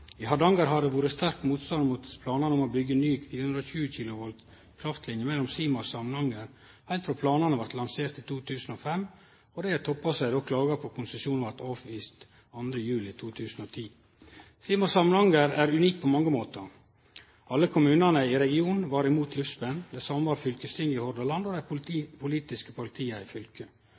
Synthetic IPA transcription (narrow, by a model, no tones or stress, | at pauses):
ihɑɖɑŋɡɑɾɦɑdɛʋuːɾəst̪æɾkmuːt̪st̪ɑnd̪mut̪pʰlɑːnɑnəɔmobʏɡːənyːkfiːɾəhʉɾɔçʉːəçɪːlʊʋɔl | kʰɾɑft̪lɪnjəmɛlːɔmsiːmɑsɑmənhɑŋəɾ | hæɪlt̪fɾɑːpʰlɑːnɑnəʋɑɾt̪lɑnseːɾʈ̪ɪt̪ʰuːt̪ʰʉːsn̩ɔfɛm | ɔd̪ɛɪæt̪ʰɔpːɑsæɪd̪oːkʰlɑːɡɑpʰɔkʰʊnsəsjuːnʋɑɾt̪ɑːʋʋiːst̪ | ɑnd̪ɾəjʉːlɪt̪ʰuːt̪ʰʉːsn̩ɔt̪ʰiː | siːmɑsɑmənhɑŋɡəɾæɾʉniːk̚pʰɔmɑŋːəmoːt̪ə | ɑlːəkʰʊmʉːnɑnəɪɾɛɡɪuːn̩ʋɑɾɪmuːt̪ʰlʏfsbɛnːd̪ɛsɑmʋɑɾfʏlkəst̪ʰɪŋɪhɔɾd̪ɑlɑnd̪ɔd̪æɪpʰʊliːt̪ɪskə̥pʰɑɭɪt̪ʰiːəɪfʏlkə